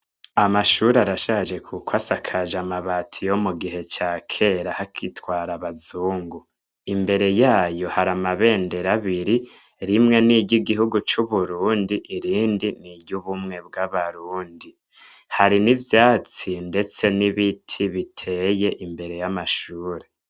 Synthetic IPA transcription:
amaʃuɾeaɾaʃahd͡ʒe̞kʰukwasakʰad͡ʒamaβaːtʰijo̞muɡiɦe̞t͡ʃakʰe̞ɾahakʰitwaːɾaβazuːŋɡu | imbe̞ɾe̞jaːjo̞haɾamaβe̞ːnde̞ɾaβiɾi | ɾimŋe̞niɟiɡiɦuɡut͡ʃuβuɾuːndiʔiɾiːndiniɟɟuβumŋe̞bɡaβaɾuːndi | haɾinivjaːt͡sinde̞t͡se̞niβitʰiβitʰe̞je̞ʔimbe̞ɾe̞jamaʃuːɾe̞

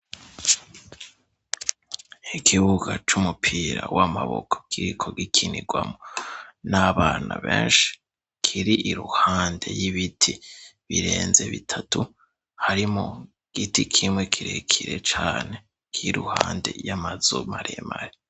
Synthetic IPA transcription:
ikʰiβuɡat͡ʃumupʰiɾawamaβo̰kʰo̥ɡ̥iɾikʰo̞ɡikʰiniɡwamonaβaːna̰βeːnʃi̥ | kʰiɾiʔiɾuhaːnde̞jiβitʰiβiɾeːnze̞βitʰatu | haɾimo | ɡ̥itikʰimwe̞kʰiɾekʰiɾe̞t͡ʃaːne̞ | kʰiɾuhaːnde̞̰jamazumaɾemaɾe

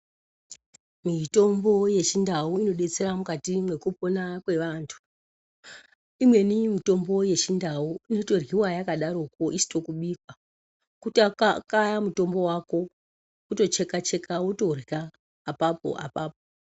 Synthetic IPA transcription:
mito̞mbo̞je̞t͡ʃindauino̞ɗe̞t͡se̞ɾamukatimwe̞kupo̞nakwe̞ʋantʰu̥ | imwe̞nimito̞mbo̞je̞t͡ʃindauino̞to̞rɦiwajakaɗaɾoko̞ʔisi̥to̞kuɓikwa | kutaakajamuto̞mbo̞wako̞ | kuto̞t͡ʃe̞kat͡ʃe̞kawuto̞riraː | papo̞̰ʔa̰paːpo

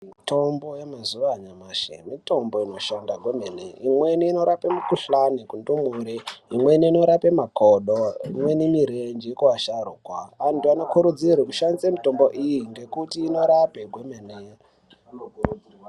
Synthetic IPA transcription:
mitombo̞jemazuʋaɲamaːʃḛmito̞mbo̞ino̞ʃandaɡʱwemeneimweniːno̞ɾapemukuɬanikundumuɾiimwe̞neino̞ɾapemakʰoɗoimwenimiɾend͡ʒikuaʃarukwaːntuanokuɾud͡zirekuʃandisamito̞mbo̞ʔijiŋɡe̞kutiːno̞ɾapeɡʱwemene

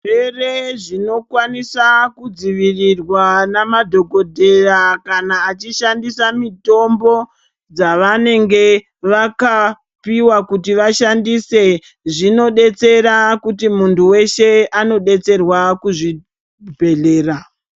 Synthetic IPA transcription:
ereʐino̞kwanisakud͡ziʋirirwanamadʱoɡo̞dʱe̞rakanaːt͡ʃiʃandisamito̞mbo̞ | d͡zaʋane̞ŋɡe̞ | ʋaka | piwakutiʋaʃandise̞ | ʐino̞ɗe̞t͡se̞ɾakutimuntʰuwe̞ʃe̞ano̞ɗe̞t͡se̞rwakuʐi | bʱe̞ɮe̞ːra

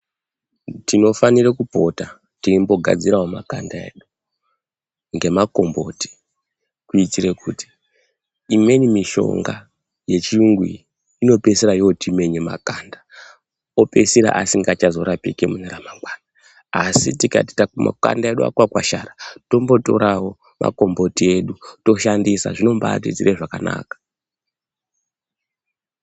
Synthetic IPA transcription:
tino̞fanirekupo̞ta | timbo̞ɡʱa̰d͡ziɾaoma̰kandae̞̰ːɗu | ŋɡe̞mako̞mbo̞ti̥ | kuitire̞kʰuti̥ː | mwe̞nimiʃo̞̰ŋɡa̰ | je̞t͡ʃiuŋɡwḭ | ino̞pe̞serajo̞time̞ɲe̞ma̰kanda | ope̞siɾa̰ʔasiŋɡat͡ʃazo̞ɾapḭkemuneɾamaŋɡwaːna | asitikati̥takuma̰ka̰ndaeɗua̰kwakwaʃa̰ɾato̞mbo̞to̞ɾawo̞ | ma̰ko̞mbo̞tie̞ɗuto̞ʃandisa̰ʐino̞mba̰tid͡ziɾeʐakana̰ːkḁ

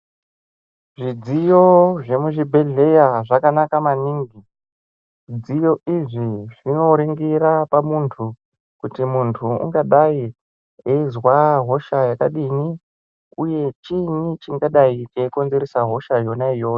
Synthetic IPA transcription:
ʐid͡zijo̞ʐe̞muʐibʱe̞ɮe̞jaʐakanakamaniːŋɡi | ʐid͡zijo̞iʐiʐino̞ɾiŋɡiɾapamuntʰu | kutimuntʰuṵŋɡaɗai | ezwaɦo̞ʃajakaɗini | uje̞t͡ʃinit͡ʃiŋɡaɗait͡ʃeko̞nze̞ɾesaɦo̞ʃajo̞naijo̞ːjo

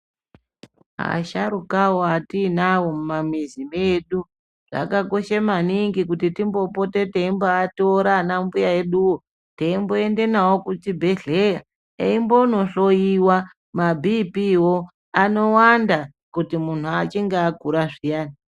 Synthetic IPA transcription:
ɦa̰ʃaɾukawoatinawo̞mumamizimeɗu | ʐ̥a̰kako̞ʃemaniŋɡikutitimbo̞po̞te̞teimboato̞ɾanambujaeɗuwo | teimbo̞e̞nde̞nawokutibʱe̞ɮeja | eimbo̞no̞ɬo̞jiwa | mabʱipiwo | ano̞wanda | kutimun̤uat͡ʃiŋɡaːkuɾaʐijaːni

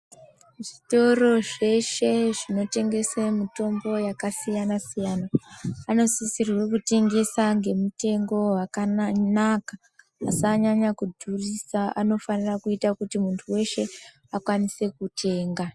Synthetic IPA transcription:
ʐito̞ro̞ʐe̞ʃe̞ʐino̞te̞ŋɡe̞semito̞mbo̞jakasijanasijanaːno̞sisirirwekute̞ŋɡe̞saŋɡe̞mute̞ŋɡo̞wakanakaː | saɲaɲakudʱurisaano̞fanirakuitakutimuntʰuwe̞ʃe̞ | akwanise̞kutʰe̞ːŋɡa

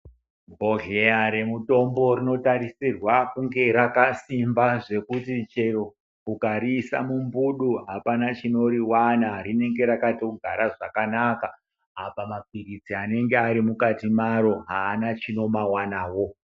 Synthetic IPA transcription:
bʱo̞ɮeaɾe̞muto̞mbo̞ɾino̞taɾisirwakuŋɡe̞ɾakasimbaʐe̞kutit͡ʃero | kukaɾiːsa̰mumbuɗuɦapanat͡ʃino̞riwanarine̞ŋɡe̞ɾakato̞ɡʱa̰ɾaʐakanakaː | pamap̚irit͡siane̞ŋɡe̞aɾimukatimaɾo̞ɦaːnat͡ʃino̞mawanaːwo̞

